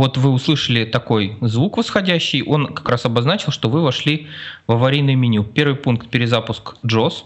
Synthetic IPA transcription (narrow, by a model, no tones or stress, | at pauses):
o̞t̪vɨʊslˠɨʂəlʲɪt̪ɐko̞jzvukvəsxɐdʲæɕːɪjʔo̞nkɐ̥kɾasɐbɐznat͡ɕɪlˠʂt̪o̞vɨvɐʂlʲivɐvɐɾʲijnɨjmʲinʲʊmpʲe̞rvɨjpunkt̪̚pʲɪɾʲɪzapʊskʐo̞s